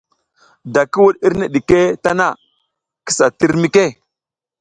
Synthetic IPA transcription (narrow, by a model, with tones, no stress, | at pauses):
da˨ki˦wu˦ɗi˦ɾne˨ɗi˨ke˦ta˦na˦˨ | ki̥˦sa˨ti˦ɾmi˦ke˦˨